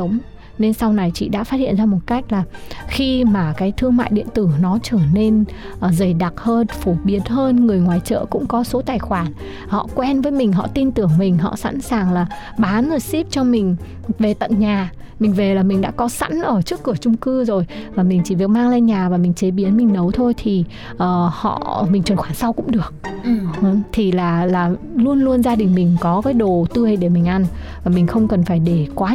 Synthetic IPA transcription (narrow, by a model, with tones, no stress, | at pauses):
ə˨˦wŋ͡m | ne˧nsa˧wna˨˩jt͡ɕḭ˧˨ɗa̰ː˧˥faː˦˥t̚hḭ˧˨ənzaː˧mo˨˩t̚ka˦˥jk̟̚laː˨˩xi˧maː˨˩kaː˨˦jt̪ʰɨ˧əŋma̰ː˧˨jɗḭ˧˨ənt̪ɨ˧˩nɔ˨˦t͡ɕəː˧˩ne˧nː˨˩zə˨˩jɗa˨˩t̚həː˧nfo˧˩ɓi˨˦ənɦəː˧nŋɨ˨˩əjŋwaː˨˩jt͡ɕə̰ː˧˨kʊ̰˧˥ŋ͡mkɔ˨˦so˨˦t̪aː˨˩jxwaː˧˩n | hɔ̰˧˨kwɛ˧nvəː˨˦jmï˨˩ŋ̟ɦɔ̰˧˨t̪i˧nt̪ɨ˧˩əŋmï˨˩ŋ̟ɦɔ̰˧˨sa̰˧˥nsaː˨˩ŋlaː˨˩ | ɓaː˨˦nzə˨˩jsi˦˥p̚t͡ɕɔ˧mï˨˩ŋ̟ | ve˨˩t̪ə̰˧˨nɲaː˨˩ | mï˨˩ŋ̟ve˨˩laː˨˩mï˨˩ŋ̟ɗa̰ː˧˥kɔ˨˦sa̰˧˥nʔəː˧˩t͡ɕɨ˦˥əkːɨ˧˩ət͡ɕʊ˧ŋ͡mkɨ˧zo˨˩jvaː˨˩mï˨˩ŋ̟t͡ɕi˧˩vi˨˩ək̚maː˧ŋlaː˧ɲaː˨˩vaː˨˩mï˨˩ŋ̟t͡ɕe˨˦ɓi˨˦ənmï˨˩ŋ̟nə˨˦wt̪ʰo˧jt̪ʰi˨˩ | ʔəː˨˩hɔ̰˧˨mï˨˩ŋ̟t͡ɕə˨˩xwaː˧˩sa˧wkʊ̰˧˥ŋ͡mɗɨ˨˩ək̚ə˧t̪ʰi˨˩laː˨˩laː˨˩ | lu˧ənlu˧ənzaː˧ɗï˨˩ŋ̟mï˨˩ŋ̟kɔ˨˦kaː˨˦jɗo˨˩t̪ɨ˧əjɗe˧˩mï˨˩ŋ̟ʔa˧nvaː˨˩mi˨˩ŋ̟xə˧wŋ͡mkə˨˩nfaː˧˩jɗe˧˩kwaː˨˦